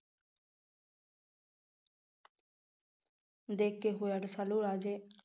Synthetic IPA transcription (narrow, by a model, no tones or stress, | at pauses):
d̪eːkːeːɦoːjaɽsaluːɾaːd͡ʒeː